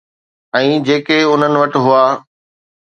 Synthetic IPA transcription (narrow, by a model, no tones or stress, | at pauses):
ɛ̃ːd͡ʑeːkeʊn̤ənɪ̆ʋɐʈɪ̆ɦʊaː